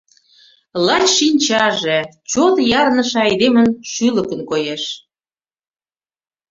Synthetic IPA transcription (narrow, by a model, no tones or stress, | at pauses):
lɑt͡ɕʃinʲt͡ɕɑʒĕt͡ɕot̪jɑrnə̆ʃĕɑjd̪emə̆nʃyləkənkojeʃ